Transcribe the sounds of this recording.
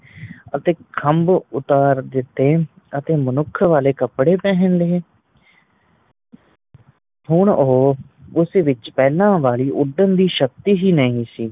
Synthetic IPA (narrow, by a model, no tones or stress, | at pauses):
ət̪eːkʰəmbʊt̪aːɾd̪ɪt̪ːeː | ət̪eːmənʊkʰʋaːleːkəpɽeːpɛ̃ːɦənleː | ɦʊɳoː | ʊsʋɪt͡ʃpɛːlãːʋaːliːʔʊɖənd̪iːʃək̚t̪iːɦiːnəĩːsiː